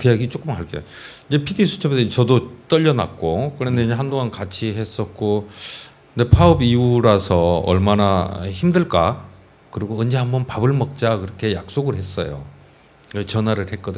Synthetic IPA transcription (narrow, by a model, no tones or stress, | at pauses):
kɯjaɡit͡ɕ͈ok͈ɯmɦaɭk͈ejo | iɲd͡ʑe̞pʰiɡisʰu̥t͡ɕʰʌbedet͡ɕʌdot͈ʌʎːʌna̰k̚k͈okɯɾendeeɦandoŋankat͡ɕʰiɦe̞s͈ʌt̚k͈o | nepʰaɯbiuɾasʰʌʌ̰ɭmanaçimdɯɭk͈a | kɯɾiɡoɯnd͡ʑeɦambʌnpabɯɭmʌk̚t͡ɕ͈akɯɾʌkʰe̞jak̚s͈oɡɯɭɦe̞s͈ʌ̰jo̰ | t͡ɕʌnwaɾɯɭhe̞k͈ʌdɯɲ